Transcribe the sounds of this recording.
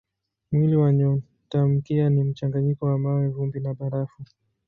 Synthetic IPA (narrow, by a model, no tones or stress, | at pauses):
mwiliwaɲɔ | tam̩kianim̩t͡ʃaŋɡaɲikɔwamawɛvumbinaɓaɾafu